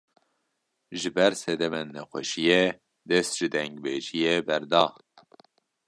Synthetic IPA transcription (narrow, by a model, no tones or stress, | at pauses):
ʒɨbɛɾsɛd̪ɛmɛnːɛxʷɛ̰ʃijɛ | d̪ɛst̪ʒ̥ɨd̪ɛŋɡbeʒijɛbɛɾd̪ɑː